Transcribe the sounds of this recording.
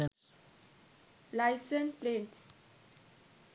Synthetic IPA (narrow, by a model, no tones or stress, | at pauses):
lajsə̃nplɛ̃nt